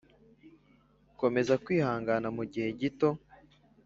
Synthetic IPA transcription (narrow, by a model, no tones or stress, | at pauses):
ko̞me̞zakwiːhaːŋɡanamuɟihe̞ɟito̞